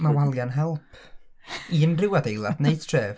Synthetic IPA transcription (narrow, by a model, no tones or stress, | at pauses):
mawalˠjanɦɛlˠpʰ | iənrɪwadejlˠa̰dneɨd̥̚tʰreːv